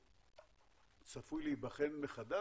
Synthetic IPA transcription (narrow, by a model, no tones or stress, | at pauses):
t͡safujleibaχenmeχad̪a